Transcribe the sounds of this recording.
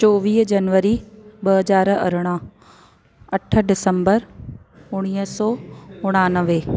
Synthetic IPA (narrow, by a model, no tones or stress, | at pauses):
t͡ʃɔːʋiːɦd͡ʒɐnʋəɾiɓɐɦɐzaːɾɐ̰ɾɽ̃aː | ɐʈʰə̆ɖɪsəmbəɾ | ʊɽ̃iːəsɔːʊɽ̃aːnəʋeː